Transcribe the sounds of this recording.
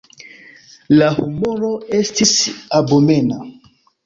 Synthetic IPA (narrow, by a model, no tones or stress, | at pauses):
lahumoɾo̞estisabomena